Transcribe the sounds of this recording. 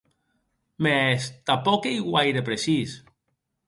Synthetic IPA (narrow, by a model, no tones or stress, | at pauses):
mest̪apɔkejɣwajɾepɾesis